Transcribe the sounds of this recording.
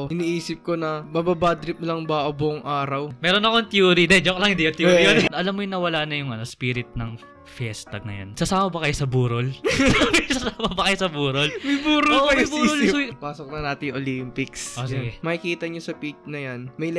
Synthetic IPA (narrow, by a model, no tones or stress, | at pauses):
ʔɪniːʔiːsɪp̚konɐbɐbabad̪ɾɪp̚lɐŋbɐʔɐbʊoʔoŋʔaːɾɐwmɛːɾo̞nɐkont̪juːɾid̪ɛd͡ʒoklɐŋʔɪnd̪iʔot̪juɾijonʔɐlamːojʊŋnɐwɐlaːnɐjʊŋɐnospiːɾɪt̪̚nɐŋ | fɛst̪ɐɡ̚nɐ̰ja̰nsɐsaːmɐbɐkɐjosɐbuːɾolmɐsɐsaːmɐbɐkɐjosɐbuːɾolmɐjbuːɾolmjbuːolojpaːsok̚nɐnaːt̪ɪjŋʔolimpɪksʔosiɡɛmɐkikiːt̪ɐɲosɐpit͡ʃ̚nɐjanmɐj